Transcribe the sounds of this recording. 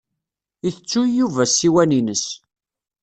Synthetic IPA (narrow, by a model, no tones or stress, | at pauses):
iθət͡sːujuvæsiwæninəs